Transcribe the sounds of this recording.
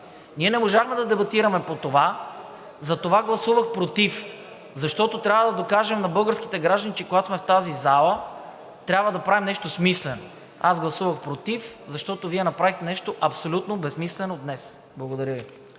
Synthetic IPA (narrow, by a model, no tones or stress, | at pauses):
niɛnɛmoʒaxmɛd̪ɐd̪ɛbɐt̪iɾɐmɛpot̪ova | zɐt̪ovaɡlˠɐsuvɐxpɾot̪if | zɐʃt̪ɔt̪ot̪ɾʲabvəd̪ɐd̪okaʒɛmnɐbɤlˠɡəɾski̥t̪ɛɡɾaʒd̪ənit͡ʃɛkoɡat̪smɛft̪azizalˠə | t̪ɾʲabvɐd̪ɐpɾavimnɛʃt̪osmislɛno̰ | azɡlˠɐsuvəxpɾot̪ifzɐʃt̪ɔt̪oviɛnɐpɾavixt̪ɛnɛʃt̪oʔɐpsolʲut̪nobɛsmislɛnod̪nɛs | blˠɐɡod̪ɐɾʲəvi